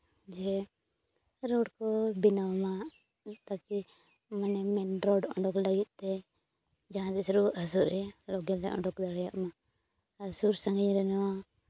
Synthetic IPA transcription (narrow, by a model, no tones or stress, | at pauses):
d͡ʒɛ | ɾɔɽkɔbinawma | t̪aki | manɛmɛnɾɔɖɔ̰̃ɳɖɔkləɡit̪̚ˀt̪ɛ | d͡ʒaãd̪ɛsɾuasuɾɛlɔɡɛlɛʔɔ̰ɳɖɔkd̪aɽjaʔma | asuɾsaŋɡiɲɾɛnɔwa